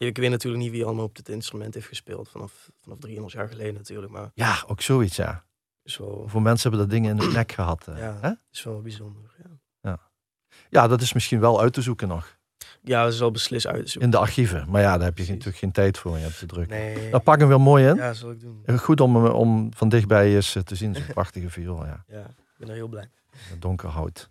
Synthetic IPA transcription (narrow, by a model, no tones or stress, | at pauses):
jaɪkʋetnatyːɹlək̚nitʋijəɑləmaːlˠɔb̚dɪtɪnstrymɛnthejftxəspɪ̰ːlˠtfɑnɑf | fɑnɑfdriənlˠfja̰ːɹɣəlejdənatyːɹlək̚ma̰ːɹjaːowksoːitsja̰ | ɪsʋɛ̰lˠvoːɹmɛnsənɦɛbəndɑdɪŋənɪnənɛkxəɦɑtʰaɦɛtɪ̥sʋɛlˠʋɑbizɔndəɹa | ja | jaːdɑtɪsmɪsxinʋɛlˠœɥtəzukənɔx | jaːɪsɛlˠbəslɪstœ̰ɥtəzuɪndəɑɹxivəmaːɹjaːdaːɹɦɛpjətːkxeːntɛjtfʊːɹmnjəɔp̚tədrɵkədɑpɑkənʋɪlˠmoːjɪnzlˠɪɡ̚dunxutɔmɔ̰mv̥ɑndɪxbɛjɪsətəzinzonprɑxtəɣəviolˠja̰ːj | bɛnɹɦɪːlˠblɛj | ədɔŋkəɹɦʌ̰wt